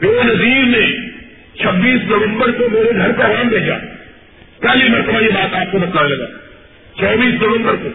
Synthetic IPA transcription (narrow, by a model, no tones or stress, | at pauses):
peonɐziːɾnẽ | t͡ʃʰɐbːiːsnɐʋə̃mbəɾkomeːɾeɡʱɐɾkaʋaːmbʱeːd͡ʒa̰ː | pɛːlimɛ̃t̪ɐm̤ãibaːt̪aːp̚konɐklaːnelɐɡa̰ː | t͡ʃʰɐːbiːsnɐʋə̃mbəɾko